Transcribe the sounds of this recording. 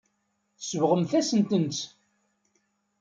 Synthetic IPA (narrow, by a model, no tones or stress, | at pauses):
θəsəvʁəmθæsənt̪ənt͡s